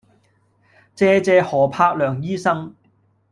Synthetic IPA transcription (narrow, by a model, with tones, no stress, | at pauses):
t͡sɛː˧t͡sɛː˧hɔː˨˩pʰaː˧k̚lœː˨˩ŋjiː˥sɐ˥ŋ